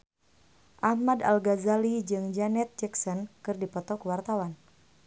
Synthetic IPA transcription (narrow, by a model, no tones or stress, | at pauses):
ʔahmada̰lɡazalid͡ʒɨŋd͡ʒanɛt̪̚d͡ʒɛksɔnkɨrdipɔt̪ɔkəwart̪awan